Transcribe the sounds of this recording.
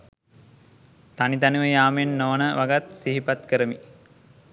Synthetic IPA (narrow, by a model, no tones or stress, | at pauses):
t̪anit̪anuʋəjaːmenːonəʋaɡat̪siɦipat̪kəɾəmi